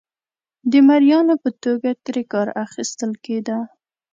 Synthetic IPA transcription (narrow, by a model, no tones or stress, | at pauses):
d̪əmaɾjɑnopət̪oɡat̪ɾekɑɾaxist̪əlked̪a